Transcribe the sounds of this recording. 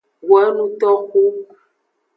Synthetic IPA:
wɛ˨˦nũ˦t̪ɔ˦xu˦

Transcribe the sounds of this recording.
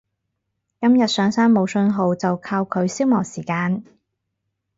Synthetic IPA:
kɐ˥mjɐ˨t̚sœː˨˧ŋsaː˥nmo˨˧wsɵ˧nɦo˨wt͡sɐ˨wkʰaː˧wkʰɵ˨˧ɥsiː˥wmɔː˨˩siː˨˩kaː˧n

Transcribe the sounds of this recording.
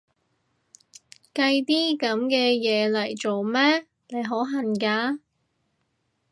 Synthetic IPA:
kɐ˧jt̪iː˥kɐ˨˥mkɛː˧jɛː˨˧lɐ˨˩jt͡so˨wmɛː˥ | ne˨˧jɦo˨˥ɦɐ˨nkaː˧

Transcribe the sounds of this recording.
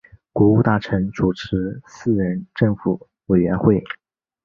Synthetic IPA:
kwɔ˧˥u˥˧t̪a˥˩ʈ͡ʂʰɤ˧˥ŋt͡su˨˩ʈ͡ʂʰɻ̩˧˥sɹ̩˥˩ɻə˧˥nʈ͡ʂɤ˥˩ŋfu˨˩˦ | we˨˩ɪɥɛ˧˥nxwe˥˩ɪ

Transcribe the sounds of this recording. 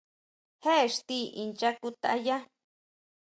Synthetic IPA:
he˦ʂt̪i˦ʔi˧nt͡ʃakut̪a̰˧ja˦

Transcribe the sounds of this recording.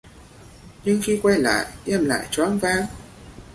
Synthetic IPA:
ɲɨ˧ŋxi˧kwa˧jla̰ː˧˨jɛ˧˩mla̰ː˧˨jt͡ɕwaː˨˦˥nvaː˧˩ŋ

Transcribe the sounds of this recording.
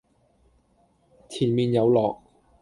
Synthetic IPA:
t͡sʰiː˨˩nmiː˨njɐ˨˧wlɔː˨k̚

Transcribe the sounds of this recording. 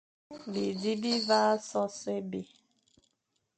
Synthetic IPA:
bi˨di˦bi˦va˦sɔ˦se˦bi˨

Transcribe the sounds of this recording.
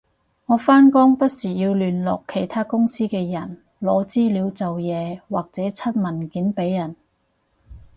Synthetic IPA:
ŋɔː˨˧faː˥nkɔː˥ŋpɐ˥t̚siː˨˩jiː˧wlyː˨nlɔ̰ː˨kʰːe˨˩jt̪ʰaː˥kʊ˥ŋsiː˥kɛː˧jɐ˨˩n | lɔː˨˧t͡siː˥liː˨˧wt͡sɐ˨wjɛː˨˧waː˨k̚t͡sɛː˨˥t͡sʰɐ˥t̚mɐ˨˩nkiː˨˥npe˨˥jːɐ˨˩n

